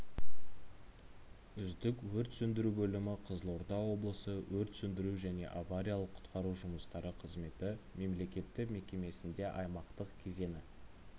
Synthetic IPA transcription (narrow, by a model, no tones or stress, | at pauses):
ʏzd̪ɪkwɵɾt̪sʏnd̪ɪɾubɵlɪmɪqʰəzəlˠoɾd̪ɑwo̞blˠəsəwɵɾt̪sʏnd̪ɪɾuʒæne̞̰ʔavaɾʲijalˠəqʰːʊ̥t̪qʰɑɾuʒʊməst̪ɑɾəqʰəzme̞t̪ɪme̞mle̞kʲe̞t̪ːɪkme̞kʲe̞me̞sɪnd̪e̞ʔɑjmɑqt̪əqkʲʰe̞ze̞nɪ